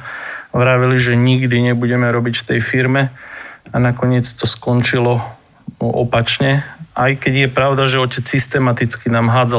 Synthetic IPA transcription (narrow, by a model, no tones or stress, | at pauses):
ʋɾaʋiliʒɛɲiɡd̪iɲɛbuɟɛmɛɾɔbicft̪ɛjfiɾmɛanakɔɲɪɛt͡st̪ɔskɔnt͡ʃilɔ | ɔ̰pat͡ʃɲɛajkɛɟjɛpɾaʊd̪aʒɛɔcɛt͡ssist̪ɛmat̪it͡skinaːmɦaːd͡za